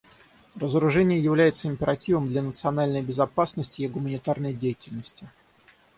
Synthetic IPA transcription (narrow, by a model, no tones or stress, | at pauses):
rəzəɾʊʐɛnʲɪjəjɪvlʲæjɪt̪səɪmʲpʲɪɾɐtʲivəmd̪lʲanət̪sɨɐnalʲnəjəbʲɪzɐpasnəsʲtʲɪjɪɡʊmənʲɪt̪arnəjdʲejɪtʲɪlʲnəsʲtʲɪ